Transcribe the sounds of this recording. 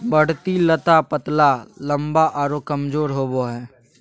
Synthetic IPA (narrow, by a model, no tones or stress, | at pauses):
bəɽ̤t̪ilət̪apət̪lalɐ̃mbaʔaɾokəmd͡ʒoːɾɦoːboɦɛː